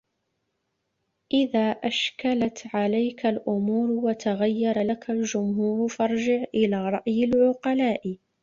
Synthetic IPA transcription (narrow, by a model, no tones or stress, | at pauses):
ʔɪðaːʔaʃkalat̪ʕalajkalʔʊmuːɾwat̪aɣajːɑɾˤɑlakald͡ʒʊmhuːɾfɑɾˤd͡ʒɪʕʔɪlaːɾˤɑʔjalʕʊqɑlaːʔ